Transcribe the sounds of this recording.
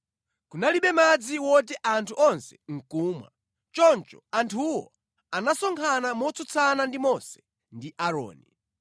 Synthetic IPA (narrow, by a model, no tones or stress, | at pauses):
kunaliɓɛmad͡ziwɔt̬ɛʔantʰuʔɔnsɛ̥ŋ̩kuːmwa̰ | t͡ʃɔnt͡ʃɔ̥antʰuwɔ̰ | anasɔŋkʰanamɔt͡sɔt͡sʰanandimɔsɛ̥ | ndiʔaɾɔ̰ːni